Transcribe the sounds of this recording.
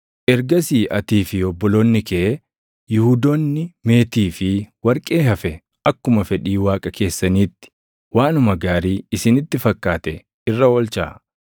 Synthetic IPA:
ʔɛɾɡɐsiːʔɐt̪iːfɪɔbːɔloːnːɪkɛʔ | jʊhʊd̪onːɪme̞ːt̪iːfɪwɐɾkʼe̞ːhɐfɛ | ʔɐkːʊmɐfɛᶑiːwaːkʼɐkʰe̞ːsːɐniːt̪ːɪ̥ | waːnʊmɐɡaːɾiːɪsɪnɪt̪ːɪfɐkʼːaːt̪ɛ | ɪrːɐwɔlt͡ʃa̰ː

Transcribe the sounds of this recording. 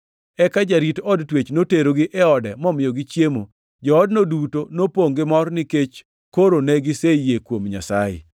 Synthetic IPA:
ɛkad͡ʒaɾitɔdtwet͡ʃnoteɾoɡɪʔɛɔdɛmɔmɪjɔɡɪt͡ʃjemo | d͡ʒɔːdnodutonopoŋɡɪmɔrnɪket͡ʃ | koɾonɛɡɪsejekwomɲa̰sajḛ

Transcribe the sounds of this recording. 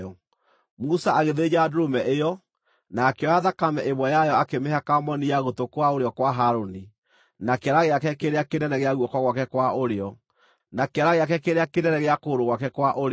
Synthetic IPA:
ɔ | musaaɣeðed͡ʑadoɾomɛʔejɔ | nakeɔaðakamɛʔemwɛjajɔakemeɦakamɔnijaɣotokwaoɾeɔkwaɦaɾoni | nakeaɾaɣeakɛkeɾeakenɛnɛɣeaɣwɔkɔɣwakɛkwaʔoɾeɔ | nakeaɾaɣeakɛkeɾeakenɛɾɛɣeakoːɾoɣwakɛkwaʔoɾe

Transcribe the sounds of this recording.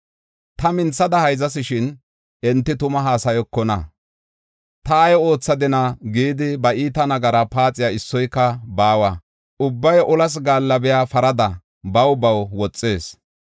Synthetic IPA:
t̪ɐmɪnt͡sːɐd̪ɐhɐjzɐs̬ɪʃɪn | ʔɛnt̪ːɪt̪ʊmɐɦaːsɐjɔkːɔnɐ̰ | t̪ɐːjɔo̞ːt͡sːɐd̪ɪnɐɡiːd̪ɪbɐiːt̪ɐnɐɡɐɾɐpaːt͡sʼɪjaːɪsːɔjkːɐbaːwɐ | ʊbːɐjʔɔlɐs̬ɡaːlːɐbɛjaːfɐɾɐd̪ɐ | bɐwbɐwwɔt͡sʼːe̞ːs

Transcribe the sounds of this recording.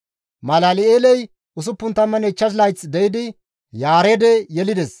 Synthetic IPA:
mɐlaːlɪeːlɛj | ʔʊs̬ʊpːʊnt̪ːɐmːɐnɛt͡ʃːɐs̬lɐjt͡sd̪ɛjɪd̪ɪ | jaːɾɛd̪ɛjɛlɪd̪ɛs

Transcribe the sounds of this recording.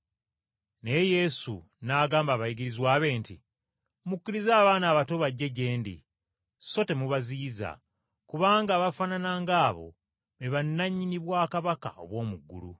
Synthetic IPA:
ne̞je̞sṵ | naɡaːmbaβajiɡiɾizwaːβe̞ːnti | mukːiɾizaːβaːnaːβato̞βaɟːe̞ɟe̞ːndḭ | so̞te̞muβaziːza̰ | kuβaːŋɡaːβafananaːŋɡaːβo̞̰ | eβanːaɲːiniβwaːkaβaka̰o̞̰βwo̞ːmuɡːṵlṵ

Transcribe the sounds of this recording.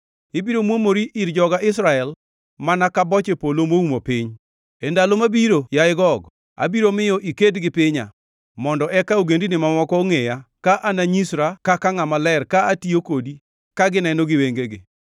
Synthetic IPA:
ɪbiɾomwomoɾiʔiɾd͡ʒɔɡaʔɪsɾaɛl | manakabɔt͡ʃepolomoumopɪɲ | endalomabiɾojaɪɡɔɡ | a̰biɾomɪjɔʔikedɡɪpɪɲa̰ | mɔndɔʔɛkauɡendinɪmamɔkɔːŋejakaʔanaɲisɾakakaŋamalɛrkaatiokodi | kaɡɪnɛnoɡɪweŋɡeɡɪ

